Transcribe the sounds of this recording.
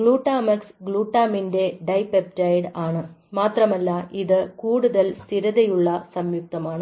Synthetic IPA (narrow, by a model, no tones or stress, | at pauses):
ɡɭuːʈːaːmɐksɡɭuːʈːaːmɪnɖeːɖɐɪpep̚ʈɐɪɽaːɳɯmaːt̪rɐmɐlːɐʔɪðɯkuːɽɯðɐlsɪɾɐðɐjʊɭːɐsɐmjʊk̚t̪ɐmaːɳɨ